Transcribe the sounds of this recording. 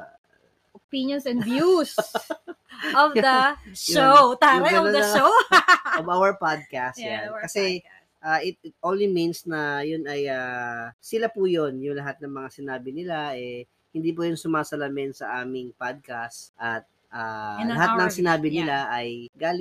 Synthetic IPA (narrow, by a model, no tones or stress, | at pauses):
ʔopĩnjonsɛ̃nvjus | ʔɔvd̪ɐʃot̪aʊlɡɐonɐʃo | ovawɐɹpad̪̚kast̪jakɐsɛ | ʔaːʔɪt̪̚ɪt̪ʔonliminsnɐjʊnɐjaːsɪlapujonjʊŋlɐɦat̪̚nɐŋmɐŋasɪnaːbɪnɪlaʔɛ | hɪnd̪iːp̬ujʊnsʊmaːsɐlamɛnsɐʔaːmɪŋpad̪̚kastʔɐt̪̚ | ʔalɐhat̪̚nɐŋsɪnaːbɪnɪlaʔɐjɡaːlɪ